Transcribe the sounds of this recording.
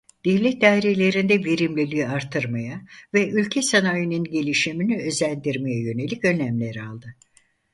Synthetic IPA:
d̪̥evlʲɛt̚d̪aɾelʲe̞ɾind̪ɛveɾimlʲilʲijaɾt̪ʰːɯɾmajavɛylʲcʰɛsanaːjɯnɯnɟe̞lʲiʃiminiø̞zlʲænd̪iɾmejajø̞ne̞lʲicø̞næmlʲeɾalˠd̪ɯ

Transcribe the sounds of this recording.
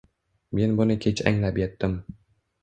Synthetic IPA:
me̞nbʊnɪkʲʰet͡ʃʰa̰ŋlapjet̪ːɪm

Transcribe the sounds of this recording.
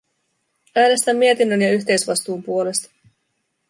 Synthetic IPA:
æːne̞st̪æmːie̞t̪inːønjɑyçʲt̪e̞jsʋɑst̪uːmpuo̞le̞st̪ɑ̥

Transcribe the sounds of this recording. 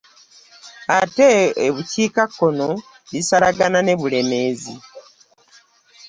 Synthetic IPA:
ateːβuciːkakːo̞no | βisalaɡanane̞βule̞me̞ːzi

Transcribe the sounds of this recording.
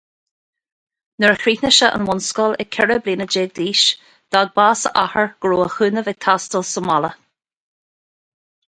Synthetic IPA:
nəɹəxɾiːtnəʃəʔə̰nwʊnskɔlɛkʰːɛɹəbliːnəd͡ʒeːɡ̚d̪iːʃ | d̪̥aɡ̚baːsə̰ʔahəɹɡ̥ɹoːəxʉːnəvɛɡ̚t̪ʰast̪əlsəmalə

